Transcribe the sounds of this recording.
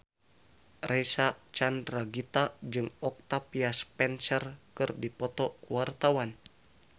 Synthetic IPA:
rʔɛsat͡ʃandɾaɡit̪ad͡ʒɨŋɔk̚t̪apiaspɛnsərkɨrdipɔt̪ɔkuart̪awan

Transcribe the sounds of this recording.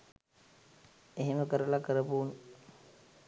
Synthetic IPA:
eɦeməkəɾəlakəɾəpuːn

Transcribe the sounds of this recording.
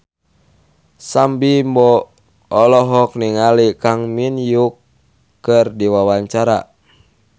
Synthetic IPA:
sambimbɔ | ɔlɔɦɔk̚niŋalikaŋminjukː | ɨrdiwawaɲt͡ʃaɾa̰

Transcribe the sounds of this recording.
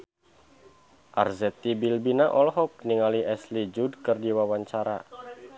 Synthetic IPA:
ʔarzɛt̪ibilbinaʔɔlɦɔk̚niŋaliʔɛslid͡ʒud̚kərdiwawaɲt͡ʃaɾa̰

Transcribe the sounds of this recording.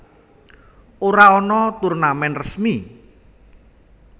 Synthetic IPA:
oɾaɔnɔt̪urnamɛnrəsmi

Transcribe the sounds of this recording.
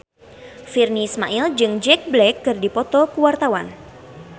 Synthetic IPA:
firnismaʔild͡ʒɨŋd͡ʒɛk̚blɛkːɨrdipɔt̪ɔkuwart̪awan

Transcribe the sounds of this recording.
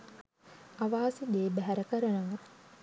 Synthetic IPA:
aʋaːsid̪eːbæɦæɾəkəɾənəʋə

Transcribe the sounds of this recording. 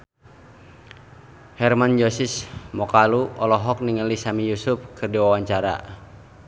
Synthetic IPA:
hɛrmand͡ʒɔsismɔkaluɔlɔɦɔk̚niŋəlisamijusʊp̚kɨrdiwawaɲt͡ʃaɾa̰

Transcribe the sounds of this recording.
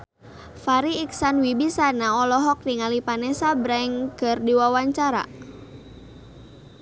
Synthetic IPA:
faɾiːksanwibisanaɔlɔɦɔk̚niŋalipanɛsabɾɛŋkərdiwawaɲt͡ʃaɾa̰

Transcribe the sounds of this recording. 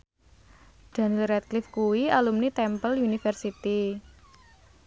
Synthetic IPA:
d̪̥a̤nilrɛt̪̚klɪfkuwialumnit̪ɛmpəljunifɛrsit̪i

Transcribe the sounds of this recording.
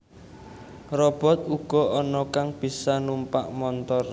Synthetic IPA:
rɔb̥ɔ̤t̪̚uɡ̥ɔ̤ʔɔnɔkaŋb̥i̤sanumpaʔmɔnt̪ɔr

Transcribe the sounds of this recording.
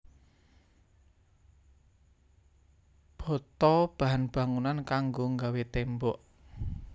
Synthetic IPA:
b̥ɔ̤t̪ɔb̥a̤ɦanb̥a̤ŋunankaŋɡoŋɡawet̪embɔʔ

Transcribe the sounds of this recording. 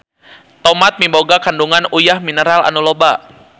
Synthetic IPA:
t̪omat̪̚mimboɡakanduŋanujahminəɾala̰nuloba

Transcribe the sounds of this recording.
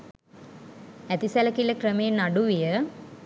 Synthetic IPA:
æt̪isæləkiləkrəmeːnːaɖuʋijə

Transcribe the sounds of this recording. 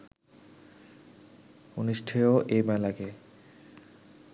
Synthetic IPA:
oniʃʈʰejoʔejmɛlake

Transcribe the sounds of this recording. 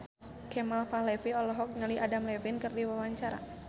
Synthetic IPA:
kɛmalpahlɛfiɔlɔɦɔk̚ŋaliʔadamlɛfinkɨrdiwawaɲt͡ʃaɾa̰

